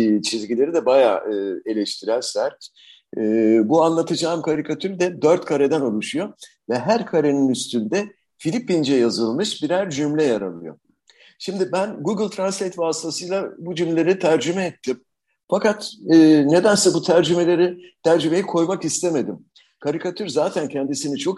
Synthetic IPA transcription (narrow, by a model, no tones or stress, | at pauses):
t͡ʃʰizɟilʲe̞ɾid̪ɛbaja̰ːɯe̞lʲɛʃt̪ʰiɾænsæɾt̪ː | buanlˠat̪ʰɯd͡ʒaːmkʰaɾikʰat̪ʰyɾd̪ɛd̪øɾt̪kʰaɾed̪ɛnolˠuʃujo̞vɛɦæɾkʰaɾeninyst̪ʰynd̪ɛ | filʲipind͡ʒɛjazɯlˠmɯʃbiɾæɾd͡ʒymlʲɛjaɾa̰lˠɯ̰jo̞̰ | ʃimd̪ɪbænɡuɡɯlʲˠt̪ʰɾanslʲejt̪vaːst̪ʰasɯjlˠabud͡ʒymlʲeɾit̪ʰæɾd͡ʒymɛːt̪ʰːim | fakat̪ɯːne̞d̪ænsɛbut̪ʰæɾd͡ʒyme̞lʲe̞ɾit̪ʰæɾd͡ʒyme̞jikʰo̞jmakist̪ʰeme̞d̪im | kʰaɾikʰat̪ʰyɾzaːt̪ʰæncʰɛnd̪isinit͡ʃʰo̞k